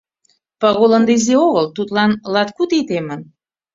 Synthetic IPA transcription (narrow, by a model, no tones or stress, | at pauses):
pɑɣolə̆nd̪izeoɣəlt̪ut̪lɑnlɑt̪kut̪it̪emən